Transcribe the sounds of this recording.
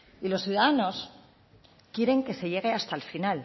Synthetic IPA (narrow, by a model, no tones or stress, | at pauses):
ilo̞sθjuðaðano̞s | kje̞ɾe̞ŋke̞se̞ʝe̞ɣ̞e̞ast̪alfinal